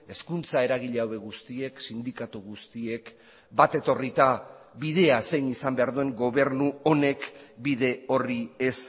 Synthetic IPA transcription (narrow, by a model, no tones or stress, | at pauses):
e̞skunt͡sae̞ɾaɣiʎeawe̞ɣ̞ust̪ie̞ksind̪ikat̪uɣust̪ie̞k | bat̪e̞t̪o̞rit̪a | βið̞e̞ase̞jnisambe̞aɾðue̞ŋɡo̞β̞e̞ɾnuo̞ne̞kbiðe̞o̞rie̞s